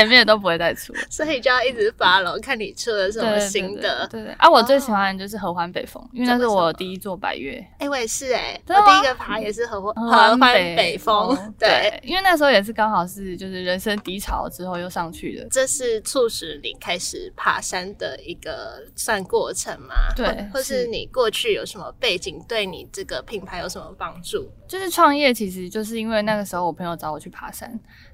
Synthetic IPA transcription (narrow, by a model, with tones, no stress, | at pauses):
nme˥˩jɛ˨˩t̪o˥ʊpu˧˦we˥˧ɪt͡sa˥˩ɪt͡sʰṵ˥so˧˥ni˨˩t͡ɕjo˥˧jɑ˥˧ʊi˥˩t͡sɻ̩˧˩fa˥lo˨˦kʰa˥˩nni˨˩ʈ͡ʂʰɤ˥d̪ə˨ʂ̬ə˧˦en˥m˧ə˧i˧˥ŋə˨we˥˧tʔa˥wɔ˨˩t͡swe˥˩ɪɕi˨˩xwa˥nd̪ə˨˩t͡ɕjo˥˧ʊʂ̬̩˥˩xɤ˧˥xwa˦npe˨˩ɪfo̰˦˥ŋi˥wna˥˩˥wo˨˩˨t̪i˥˧i˥t͡swɔ˥˩pa̰˨˩ɪɥɛ̰˥˩e˥˧we˥˧ɪʂɻ̩˥˩e˨˩˨t̪i˥˧i˥ɡə˨pʰa˧˥jɛ˨˩ʂɻ̩˥˩xə˧˥xa˦xwa˦n˨pe˨˩ɪfo˦ŋt̪we˥˩ɪi˥nwe˥˧ɪna˥˩ʂ̬̩˧xo˥˩jɛ˨˩ʂ̬ɻ̩˥˩kɑ˥ŋxɑ˨˩ʊʂɻ̩˥˩t͡ɕjo˥˧ʊʂɻ̩˥˩ɻə˧˦nʂə˥ŋt̪i˧˥ʈ͡ʂʰɑ˨˩˦ʊʈ͡ʂɻ̩˦xo˥˧ʊjo˥˧ʊʂɑ˥˧ŋt͡ɕʰy̰˥˩d̪ə̰˩ʈ͡ʂə˥˧ʂɻ̩˥˩t͡sʰu˥˧ʂ̩˧˥nḭ˨˩kʰa˥ɪʂɻ̩˨˩pʰa̰˨˩ʂa˦nd̪ə˨i˧˥ɡ̥ə˧swa˥˧nkwɔ˥˩ʈ͡ʂʰə˧˦ŋma̰˨xt̪we˥ɪxwɔ˥˨ʂɻ̩˥˩nḭ˨˩kwɔ˥˧t͡ɕʰy˥˩jo̰˨˩ʊʂə˧˦nmə̰˧pe˥˩ɪt͡ɕi˨˩ŋt̪we˥˩ɪnḭ˨˩ʈ͡ʂɤ˥˩ɡə˩pʰi˨˩ŋpʰa˨˧˦jo˧˥ʊʂə˧˩˦mə˧˩pɑ˦ŋu˥˨˩t͡ɕjo˥˧ʊʂɻ̩˥˧ʈ͡ʂʰwɑ˥˧ŋjɛ˥˩t͡ɕʰi˧˥ʂ̬ɻ̩˧˦t͡ɕjo˥˧ʊʂ̬ɻ̩˥˩i˦˥nwe˥˧ɪna˥˩ɡə˩ʂɻ̩˧˥xo˥˩ʊwɔ˨˩pʰɤ˧˦ŋjo˨˩ʊʈ͡ʂɑ˧˥˦ʊwɔ˨˩t͡ɕʰy˥˩pʰa˨˥˩ʂa̰˦˥n